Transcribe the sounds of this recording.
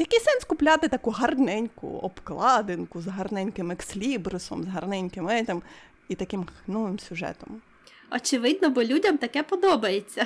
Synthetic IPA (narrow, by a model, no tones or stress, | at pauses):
jɐkɛjʲsɛnskʊplʲat̪ɪt̪ɐkuɦɐrnɛnʲkʊ̰ɔ̰bklˠɑd̪enkʊzɦɐrnɛnʲkɪmeksʲlʲibɾʊsɔ̰mzɦɐrnɛnʲkɪmɛt̪ɪm | it̪ɐkɪmxnɔʋɪmsʲʊʒɛ̰t̪ɔm | ɔt͡ʃɪʋɪd̪̚nɔbɔlʲudʲɐmt̪ɐkɛpɔd̪ɔbɐjet͡sʲːɐ